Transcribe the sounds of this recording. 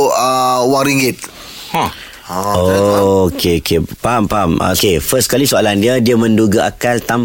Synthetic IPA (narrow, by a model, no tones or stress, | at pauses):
əwaɾiŋɡit̪̚ | okʰeokʰepaɦampaɦamo̰kefəskalisoalandiədiamə̃nduɡaʔakalt̪am